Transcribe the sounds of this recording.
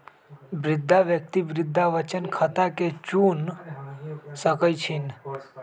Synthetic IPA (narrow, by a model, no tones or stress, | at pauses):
bɾɪd̪ʱːaʋjək̚t̪ibɾɪd̪ʱːaʋət͡ʃənkʰət̪aket͡ʃun | səkəjt͡ʃʰin